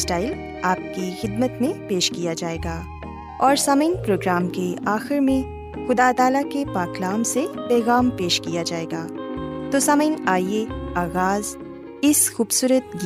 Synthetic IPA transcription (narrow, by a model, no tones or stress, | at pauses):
sʈaːɪl | aːp̚kixɪd̪̚mət̪mẽpeːʃkijad͡ʒaːeːɡaː | ɔːɾsɐməɪnpɾoːɡɾaːmkeaːxɪɾmẽ | xʊd̪aːt̪aːlakepaːklaːmsepɛːɣaːmpeːʃkijad͡ʒaːeːɡaːt̪osɐməɪnaːieaːɣaːz | ɪsxuːbsuːɾət̪ɡ